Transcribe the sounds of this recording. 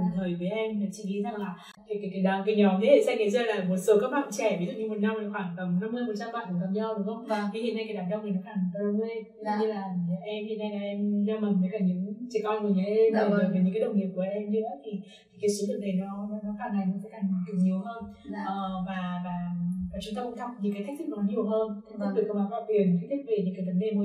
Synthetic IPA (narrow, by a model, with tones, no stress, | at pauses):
a˨˩t̪ʰəː˨˩jvəː˨˦jʔɛ˧mlaː˨˩t͡ɕḭ˧˩ɗi˨˦za˨˩ŋlaː˨˩ | t̪ʰi˨˩ka˨˩kaː˨˦jɗa˨˩ŋ͡mka˨˦ɲɔ˨˦ɲɨ˧˦tʰe˧˩sɛ˧ŋə˨˦zəː˧˩laː˨˩mo˨˩t̚so˨˦kaː˦˥ɓa̰˧˨nt͡ɕɛ˧˩vi˨˦zṵ˧˩ɲɨ˧mo˨˩t̚na˧ma˨˩xwaː˧˩ŋt̪ə˨˩ŋ͡mna˧˦mːɨ˧jmo˨˩t͡ɕa˧mɓa̰ː˧˨nku˧˩k̪a˨˧˩ɲɔ˧wɗɨ˨˦ŋ͡mʔə˧wŋ͡mt̪ʰi˨˩ḭ˧˨na˧jkaː˨˩jɗaː˨˩ɗə˧ŋ͡mnəː˨˩nɔ˨˦xaː˧˩ŋ˨˩˧ŋe˧jɲɨ˧laː˨˩˨ɲ˨˦ʔɛ˧mhḭ˧˨əna˧jlaː˨˩ʔɛ˧mɗa˧ma˨˩nvəː˨˦kaː˧˩ɲɨ̰˧˥ŋt͡ɕi˧˩kɔ˧nku˧˩ɲa˨˦ʔɛ˧maː˨˩˧vɲɨ̰˧˥kːaː˨˦ə˧˩wŋ͡mŋi˨˩əp̚ku˧˩˨ɛ˧mɲɨ̰˧˦ə˨˦t̪ʰi˨˩ | t̪ʰi˨˩kaː˨˦su˨˦və˨˩ne˨˩jnɔ˨˦nɔ˨˧˦nɔ˨˦xaː˧˩ŋːa˨˩jnɔ˨˦kɔ̰˧˥˦kaː˧˩ŋ˨˩kɨ˨˧˩ɲi˨˩əwɦəː˧n˧ʔəː˨˩vaː˨˩vaː˨˩vaː˨˩t͡ɕʊ˧nt̪ə˧wʔt̪ʰa˨˩k͡p̚ɲɨ̰˧˥ŋkaː˨˦t̪ʰa˦˥k̚t̪ʰi˦˥k̚nɔ˨˦n˨˦ɲi˧˨˩əwɦəː˧nʔɔ˦˧˥ɗɨ˨˩kə˧maː˨˦n̚la̰ː˧˨t̪wi˨˩ən˨k̪a˦˥k̚t̪ʰk̚ve˨˩ɲɨ̰˧˥ŋkaː˨˦jvə˨˦nɗe˨˧˩mo˧˦